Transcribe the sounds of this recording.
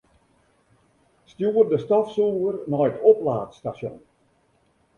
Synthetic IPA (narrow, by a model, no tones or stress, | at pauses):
stjuːərdəstɔfsuːvərnɔjətʰoplaːtstasjɔ̰n